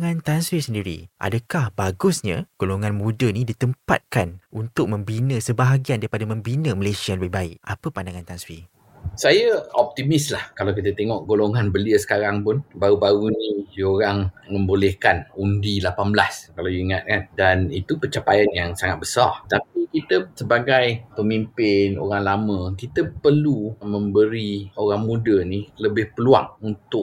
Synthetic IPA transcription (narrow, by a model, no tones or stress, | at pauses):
ŋãnt̪answisəndiɾḭʔa̰dəkahbaɡʊsɲãɡ̥oloŋãnmũdənĩdit̪əmpa̰t̪̚kanunt̪ʊk̚mə̃mbinə̃səbaɦaɡiandaɾipadamə̃mbinəməlesiabəbaɪ̰ʔapəpandaŋãnt̪answi | sajaɔp̚t̪imislahkalawkit̪ət̪eŋɔʔɡoloŋanbəliəsə̥kaɾaŋpʊnbaɾubaɾunĩjoɾaŋmə̃mbolɛhkanundilapanbəlaskalawjuiŋat̪̚kandanit̪upət͡ʃapajanjaŋsaŋat̪̚bəsart̪ap̚ikit̪əsəbaɡajpəmimpɪno̰ɾaŋlamə̃kit̪əpərlumə̃mbəɾioɾaŋmũdəniləbɪhpəlua̰ŋunt̪ʊʔ